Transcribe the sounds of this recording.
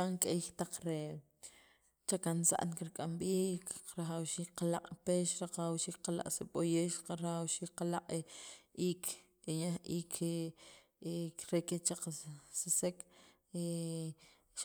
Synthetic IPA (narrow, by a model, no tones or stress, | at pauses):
aŋkʼejxt̪aq͡χɾe | t͡ʃakansa̰ʔnkiɾkʼamɓiːkɾaχawʃiːkqalaqʼpeːʃɾaqaawʃiːk̚qala̰ʔʼseɓojeːʃqaɾaxawʃiːk̚qalaqʼeiːkʰ | eɲahiːkʰe | ɾeket͡ʃaq͡χsisek | e | ʃ